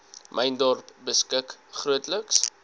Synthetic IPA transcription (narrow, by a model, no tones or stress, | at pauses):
mʔəjndɔrpbəskəkχruətləks